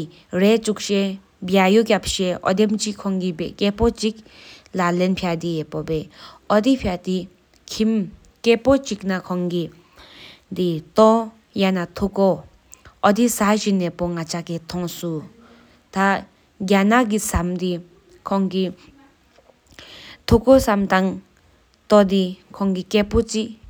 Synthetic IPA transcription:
rɛt͡ɕuk̚ɕe | bjajokʲap̚ɕeʔɔ̰d̪emt͡ɕiʔkʰɔŋkibɛkeːpot͡ɕik̚ | lalenpʰjad̪ijɛpobɛʔɔd̪ipʰjat̪i | kʰim | kɛːpot͡ɕik̚nakʰɔŋki | d̪it̪ɔ | janat̪ʰuko | ʔɔd̪isaɕinɛpoŋat͡ɕʰakit̪ʰɔŋsu | t̪a | ɟanak̬isamd̪i | kʰɔŋki | t̪ʰukosamt̪aŋ | t̪ɔd̪ikʰɔŋkikeːpot͡ɕiʔ̚

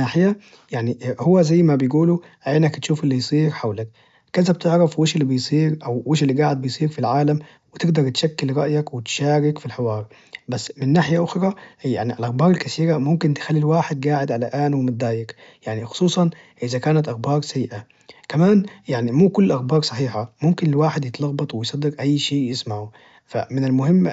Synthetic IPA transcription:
nːaːħejæ | jaʕnihʊwːæzæjːmæbɪjɡuːlo | ʔaʔeːnækt̪ʃuːfʔelːijsˤiːɾħawlæk̚ | kæzæb̚t̪eʕɾæfweʃelːibejsˤiːɾʔæwweʃelːiɡaːʕed̪̚bejsˤiːɾfilʕaːlæm | wɪt̪ɪɡd̪ɑɾˤt̪ʃækːlːɾˤɑʔjækwɪt̪ʃaːɾɪkfilħewɑːɾˤ | bæsːmɪnːaːħɪjaʔʊxɾˤɑja̰ʕniʔalʔaxbɑːɾˤɪlkæθiːɾamʊmkɪnt̪xælːilwaːħed̪ɡaːʕɪd̪ʕalaʔaːnwɪmɪt̪̚d̪æːjɪk | jaʕnixo̥sˤuːsˤɑn | ʔɪzækaːnæt̪ʔaxbɑːɾˤsajːʔa | kæmaːnjaʕnimuːkʊlːʔaxbɑːɾˤsˤɑħiːħɑmʊmkɪnɪlwaːħed̪jɪt̪lɑɣbɑt̪ˤwɪjsˤɑd̪ːɑɾʔæjːʃeːʔjɪsmaʕu | fa̰mɪnɪlmʊɦɪmː

